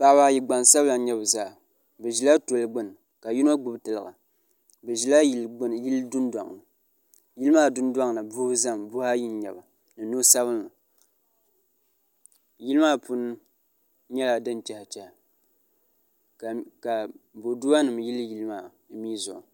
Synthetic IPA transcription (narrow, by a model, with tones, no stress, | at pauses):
pa˨ba˨˦˨ji˨ɡ͡ba˨nsa˦bla˨ɲɛ˦bɨ˨za˦˨ | bɨ˨ʒi˨la˦to˨lɨ˦ɡ͡bɨ˦n˨ | ka˨ji˦no˦ɡ͡bʊ˨btɨ˨lɨ˨ɣa˨ | bɨ˨ʒi˨la˦ji˦ldʊ˦n˦da̰˨ŋ˨nɨ˨ | ji˦lɨ˦ma˦˨dʊ˦ndwa˦ŋ˨nɨ˨bu˦hza˦mbʊ˦ha˦ji˦n˦ɲɛ˨ba˨ | nɨ˨no˦sa˦βɨ˦nːɨ˨ | ji˦lɨ˦maː˦pu˦n˦ | ɲɛ˦la˨dɨ˦n˨t͡ʃɛ˨ha˨t͡ʃɛ˨h | kka˨bo˨du˦wa˦nɨ˨mji˦lɨ˦ji˦lɨ˦maː˦˨˦ | mi˦zʊ̰˨